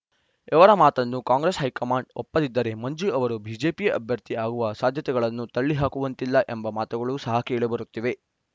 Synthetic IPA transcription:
ɛʋɐɾɐmaːt̪ɐnːukaːŋɡɾesɦɐjkɐmaːɳɖɔpːɐd̪id̪ːɐɾe̞mɐɲd͡ʒuɐʋɐɾubʱiːd͡ʒeːpijɐʔɐbʱjɐɾt̪iaːɡuʋɐsaːd̪ʱjɐt̪ɛɡɐɭɐnːut̪ɐɭːiɦaːkuʋɐnt̪ilːɐʔembɐmaːt̪uɡɐɭusɐɦɐkeːɭebɐɾut̪ːiʋe̞

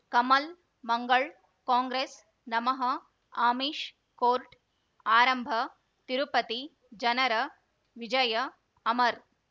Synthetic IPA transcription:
kɐmɐl | mɐŋɡɐɭ | kaːŋɡɾeːs | nɐmɐɦɐ | aːmiːʂ | koːɾʈ | aːɾɐmbʱɐ | t̪ɪɾupɐt̪i | d͡ʒɐnɐɾɐ | ʋɪd͡ʒɐjɐ | ɐmɐɾ

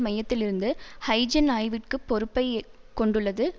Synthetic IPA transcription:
mɐjɐt̪ːɪlɪɾɯnd̪ɯhɐɪd͡ʒɐnaːjʋɪʈkɯpːɔɾɯpːɐɪ | kɔɳɖɯɭːɐðɯ

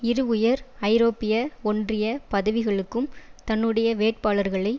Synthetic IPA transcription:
ɪɾɯʊjɐɾɐɪɾoːpːɪjɐɔndrɪjɐpɐðɐʋɪɣɐɭɯkːɯmt̪ɐnːɯɽɐjɐʋeːʈ̚paːɭɐɾɣɐɭɐɪ

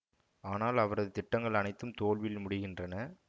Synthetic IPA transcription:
aːnaːlɐʋɐɾɐðɯt̪ɪʈːɐŋɡɐɭɐnɐɪt̪ːɯmt̪oːɭʋɪlmʊɽɪɣɪndrɐnɐ

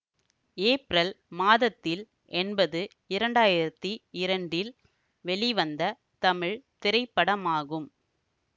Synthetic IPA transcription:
eːpɾɐl | maːðɐt̪ːɪl | ʔɛnbɐðɯ | ɪɾɐɳɖaːjɪɾɐt̪ːiɪɾɐɳɖɪl | ʋɛɭiʋɐnd̪ɐ | t̪ɐmɪɻt̪ɪɾɐɪpːɐɽɐmaːɣɯm

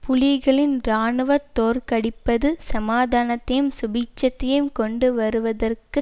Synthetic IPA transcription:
pʊlɪɣɐɭɪnɾaːɳɯʋɐt̪ːoːɾkɐɽɪpːɐðɯsɐmaːðaːnɐt̪ːɐjɯmsʊbɪt͡ʃːɐt̪ːɐjɯmkɔɳɖɯʋɐɾɯʋɐðɐrkɯ

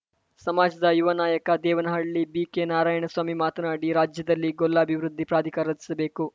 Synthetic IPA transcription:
sɐmaːd͡ʒɐd̪ɐjuʋɐnaːjɐkɐd̪ɛːʋɐnɐɦɐɭlibiːkenaːɾaːjɐɳɐsʋaːmimaːt̪ɐnaːɽiɾaːd͡ʒjɐd̪ɐlːiɡolːɐːbʱiʋɾud̪ʱːipɾaːd̪ʱikaɾɐd̪ʱi̥sɐbe̞ːku

